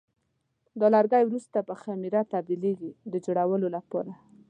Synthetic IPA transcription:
d̪ɑlaɾɡajwɾust̪apəxamiɾat̪ab̚d̪ileɡid̪əd͡ʒoɽawəlolapɑ̰ɾa

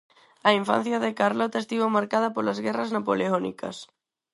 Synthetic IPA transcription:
ɐiɱfã̰n̟θjɐðɪkaɾlɔt̪ɐest̪iβomaɾkaðɐpolɐzɣɛrɐznapoleɔnḭkɐ̰s

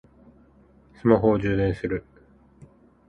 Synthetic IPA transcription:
sɨmaɦo̞ːʑɨːd̪ẽ̞ɰ̃sɨɾɯ̟

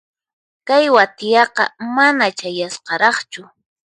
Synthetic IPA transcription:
kajwat̪ɪjɑqɑ̰manat͡ʃajasqɑɾɑχt͡ʃʊ

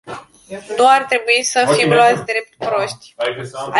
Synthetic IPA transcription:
nuart̪ɾe̞buisəfimloat̪sʲd̪ɾe̞p̚t̪pɾo̞ʃt̪ʲa

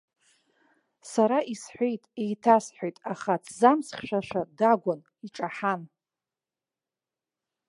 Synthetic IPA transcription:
saɾaʔisħʷejtʼejtʰasħʷᶣojtʼaχat͡sʰzamsχʲʃʷᶣaʃʷᶣadaɡʷon | iʈ͡ʂʼaħan

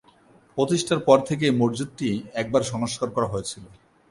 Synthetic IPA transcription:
pɾot̪iʃʈʰaɾpɔɾt̪ʰek̬emoɾd͡ʑut̪̚ʈiɛk̚baɾʃɔŋoʃkaɾkɔɾaɦojet͡ɕʰilo

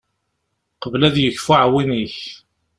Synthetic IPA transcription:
qəvlæðjəçfʊʕwiniç

